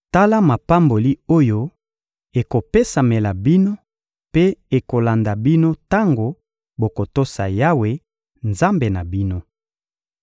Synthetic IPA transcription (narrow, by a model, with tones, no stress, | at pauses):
ta˦la˦ma˨pa˦mbo˨li˦o˦jo˦ | e˨ko˨pe˦sa˨me˨la˨bi˦no˦ | pe˦e˨ko˨la˨nda˨bi˦no˦ta˦ŋɡo˨ | bo˨ko˨to˦sa˨ja˦we˦ | nza˦mbe˨na˨bi˦no˦